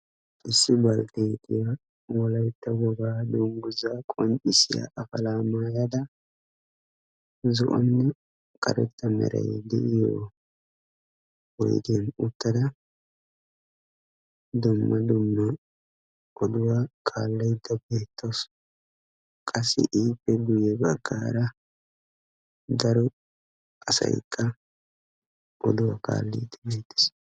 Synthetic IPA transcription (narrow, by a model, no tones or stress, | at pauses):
ʔɪsːɪbɐlt̪et̪ʰɪjɐ | wɔlɐjt̪ːɐwɔɡaːd̪ʊŋɡʊzakʼɔnʔɪsɪja̰ʔɐfɐlaːmaːjɐd̪ɐ | zɔ̰ʔɔ̰nːɛ | kʼɐ̰ɾɛ̰t̪ːɐmɛ̰ɾɐ̰jd̪ɛ̰ʔɪjo̰ | wɔ̰jd̪ɪjɐnʊt̪ːɐd̪ɐ | d̪ʊmːɐd̪ʊmːɐ | ʔɔd̪ʊwakʰʼaːlːɐjd̪ːɐbeːt̪ːɐws | kʼɐsːɪ̰ʔiːpːɛɡʊjɛbɐɡːaːɾɐ | d̪ɐɾɔ | kʼɐsɐ̰jkʰʼːɐ | ʔɔd̪ʊwakʼa̰ːlːɛ̰jd̪ːɐbeːt̪ːɪ̥s